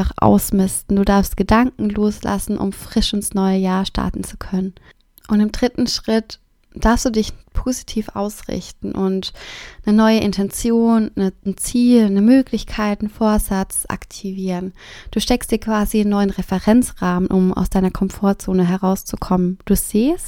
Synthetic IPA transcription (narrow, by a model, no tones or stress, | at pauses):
aχʔa̰ʊsmɪstn̩duːdaɐfstɡ̥ədaŋkŋ̩loːslʔa̰sn̩ʔʊ̰mfʁ̥ɪʃɪnsnɔʏəjaːʃtʰa̰ɐtn̩t͡su̥kʰœnən | ʔʊntɪmdʁɪtn̩ʃʁ̥ɪt | d̥aɐfsd̥uːdɪçpʰozitʰiːfʔa̰ʊsʁɪ̰çtn̩ʔʊntnənɔʏəʔɪntʰɛnt͡sjoːnnən̩t͡siːlnəmøːklɪçkʰaɪtn̩foːɐzat͡sʔa̰ktʰiviːʁənd̥uːʃtɛkstd̥iːɐkv̥aːziɪnːɔʏənʁɛfɛʁɛnt͡sʁaːmənʔʊmʔa̰ʊsd̥aɪnɐkʰɔmfoːɐt͡soːnəɦɛʁaʊst͡su̥kʰɔmənd̥uːz̥eːst